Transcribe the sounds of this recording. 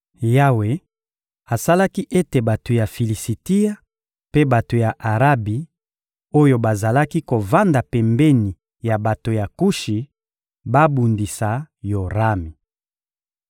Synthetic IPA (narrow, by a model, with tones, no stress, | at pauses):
ja˦we˨ | a˨sa˦la˦ki˦ʔe˦te˨ba˨to˨ja˨fi˨li˨si˨ti˦a˦ | pe˦ba˨to˨ja˨ʔa˨ʁa˦bi˨ | o˦jo˦ba˨za˨la˦ki˦ko˨va˦nda˨pɛ˨mbɛ˦ni˨ | ja˨ba˨to˨ja˨ku˦ʃi˨ | ba˦bu˨ndi˨sa˨jo˨ʁa˦mi˨